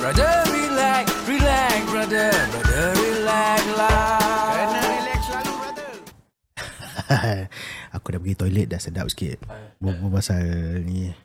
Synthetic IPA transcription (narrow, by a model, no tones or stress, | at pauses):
bɹadəɹilɛkɹilɛkbɹadəadəɹilɛkla | ilɛkaadə | akudaʔpəɡit̪ɔjlɛt̪̚dasəda̰p̚si̥kḭt̪̚bəbəmasalni